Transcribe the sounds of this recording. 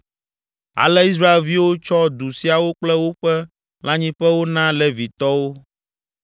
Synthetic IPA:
a̰˨lɛ˦i˦s̬ɾa˦e˨lvi˦wo˦t͡ʃɔ˦d̪u˨si˦a˨wo˦k͡plɛ˦wo˦ɸɛ˦ | lã˦ɲĩ˦ɸɛ˦wo˦nã˦lɛ˦vi˨t̪ɔ˦wo˦

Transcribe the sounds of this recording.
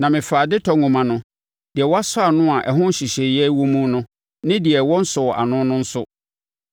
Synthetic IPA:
nã˨mɪ̃˨faː˨dɪ˦tʰɔ˨ŋũ˨mã˨nʊ̃˦ | d̥ɪ˨ɛ˨wɔ˦a˦sʊ˦a˨nʊ̃˦a˨ʔɛ˨ɦʊ̃˦n̩˦ɕi˨ɕɛ˨jɛ˦wu˦mũ˦nʊ̃˦ | nɪ̃˦dɪ˨ɛ˨wɔ̃˦n̩˦sʊ˨ɔ˨ʔa̰˨nʊ̃˦nʊ̃˦n̩˦sʊ˦

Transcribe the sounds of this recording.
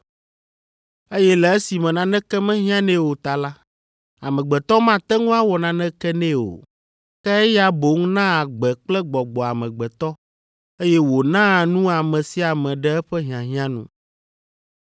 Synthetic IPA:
e˦jɛ˦lɛ˨ɛ˦si˨mɛ̃˨nã˨nɛ̃˦kɛ˦mɛ̃˦ɦĩ˦ã˦nɛ̃˦wo˨t̪a˨la˦ | a̰˨mɛ̃˨ɡ͡bɛ˨t̪ɔ˦mã˦t̪ɛ˦ŋũ˦a˦wɔ˨nã˨nɛ̃˦kɛ˦nɛ̃˦o̰˨ | kɛ˦ɛ˦ja˦bo˨˦ŋ˦nã˦a˨ɡ͡bɛ˨k͡plɛ˦ɡ͡bɔ˨ɡ͡bɔ˨a˨mɛ̃˨ɡ͡bɛ˨t̪ɔ˦ | e˦jɛ˦wo˨nã˦˨nũ˦a˨mɛ̃˨si˦a˨mɛ̃˨ɖɛ˦ɛ˦ɸɛ˦ɦĩ˨ã˨ɦĩ˦ã˦nṵ̃˨

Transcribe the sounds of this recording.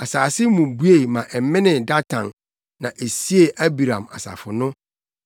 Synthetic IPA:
a˨saː˨sɪ˦mũ˨bu˦e˦˨mã˨ʔɛ˨m˦mɪ̃˦nɪ̃˨da˦tʰã˨nː | ã˨ʔe˨si˦e˨ʔæ˦bi˨ɾã˨ma̰˨sa̰˨fʊ˨nʊ̃˦

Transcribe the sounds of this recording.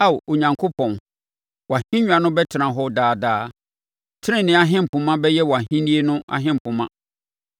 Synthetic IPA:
a˦wo˨ɲã˨ŋkʰo˦pʰɔ̃˨n | wɔ˨a˨hĩ˦ɲᶣ˦a˨nʊ̃˦bɛ˦tʰɪ˨nã˨ɦɔ˦daː˨daː˦ | tʰɪ˦ɪ̃˦˨nɪ̃˦a˨ɦɪ̃˦m̩˨pʰʊ̃˨mã˦bɛ˦jɛ˦wa˨ɦĩ˦ni˦e˦nʊ̃˦a̰˨ɦɪ̃˦m̩˨pʰʊ̃˨mã˦

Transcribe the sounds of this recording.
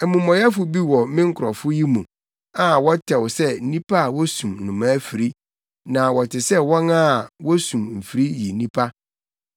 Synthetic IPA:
ɛ˨mũ˨mɔ̃˨ja˦fʊ˨bi˦wɔ˨mɪ̃˦ŋ̩˦kʰʊ˨ɾɔ˨fʊ˦ji˦mũ˨ | a˨wɔ˦tʰɛ˨wsɛ˦n̩˦nĩ˦pʰa˦a˨wɔ˦sũ˨mnʊ̃˨mã˦fi˨ɾi˦ | nã˨wɔ˨tʰɪ˨sɛ˦wɔ̃˦nã˦˨wɔ˦sũ˨mm̩˨fi˨ɾi˦ji˨nĩ˦pʰa˦

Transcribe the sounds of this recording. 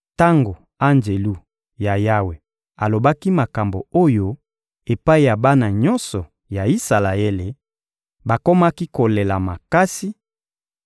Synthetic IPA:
ta˦ŋɡo˨ | a˦nd͡ʒe˨lu˦ | ja˨ja˦we˨ | a˨lo˨ba˦ki˦ma˨ka˨mbo˨o˦jo˦ | e˨pa˦i˨ja˨ba˦na˨ɲɔ˦nsɔ˨ | ja˨i˦sa˨la˨e˦le˨ | ba˨ko˦ma˦ki˦ko˨le˨la˨ma˨ka˦si˦

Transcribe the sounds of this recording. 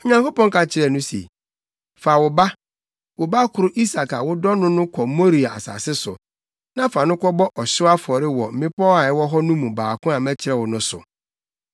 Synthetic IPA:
ɔ˨ɲã˨ŋko˦pɔ̃˦ŋkʰa˨t͡ɕʰɪ˦ɾɛ˨nʊ̃˦sḛ˨ | faː˨wʊ˨ba˦ | wʊ˨ba˦kʰʊ˨ɾʊ˦ʔi˦sa˨ka˨wʊ˦dɔ˦nʊ̃˦nʊ̃˦kʰɔ˨˦mo˦ɾi˨a˨a̰˨sa̰ː˨sɪ˦sʊ̰˨ | nã˦fa˨nʊ̃˦kʰɔ˦bɔ˦ʔɔ˨ɕɪ˦a˦fɔ˨ɾɪ˦wɔ˨m̩˨mɪ̃˦pʰɔ˦a˨ɛ˦wɔ˦ɦɔ˦nũ˦mũ˨baː˨kʰʊ̃˦a˨mɛ̃˦t͡ɕʰɪ˨ɾɛ˦˨wʊ˨nʊ̃˦sʊ̰˨

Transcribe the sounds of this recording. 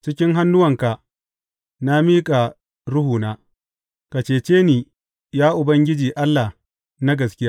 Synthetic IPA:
t͡ʃɪ˦kʲɪ˦ŋɦa˦nːʊ˦wɐ˨ŋka˨ʔ | na˦miː˦kʼa˨ | ɽʊ˦huː˨naː˦ | ka˨t͡ʃeː˨t͡ʃeː˦niː˨ | jaː˦ʔʊ˨bɐ˦ŋɡʲɪ˦d͡ʒiː˨ʔa˦lːa˨ | na˦ɡɐ˨skʲɪ˦jaː˦

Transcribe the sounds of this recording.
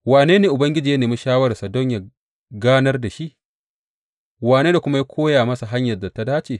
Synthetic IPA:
waː˨neː˦neː˨ʔʊ˨bɐ˦ŋɡʲɪ˦d͡ʒiː˨ja˦neː˨mi˦ʃaː˦wɐ˦ɾɐ˨sa˨dɔ˦ɲja˨ | ɡaː˦nɐ˦rda˨ʃi˦ʔ | waː˨neː˦da˨kʷʊ˦ma˦ja˦kʷʰoː˦jaː˨mɐ˦sa˨ɦa˦ɲjɐ˨rda˨ta˦daː˦t͡ʃeː˨

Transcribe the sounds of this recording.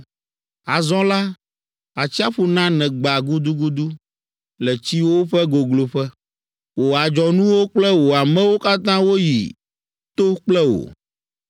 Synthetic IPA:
a˨zɔ̃˦la˦ | a˨t͡ɕi˦a˦ɸu˨nã˦nɛ̃˨ɡ͡ba˨ɡu˦d̪u˦ɡu˦d̪u˦ | lɛ˨t͡ɕi˦wo˦ɸɛ˦ɡo˨ɡlo˨ɸɛ˦ | wo˨a˨d͡ʒɔ˨nũ˦wo˦k͡plɛ˦wo˨a˨mɛ̃˦wo˦ka˦t̪ã˦wo˦jḭ˨ | t̪o˦k͡plɛ˦wo̰˨

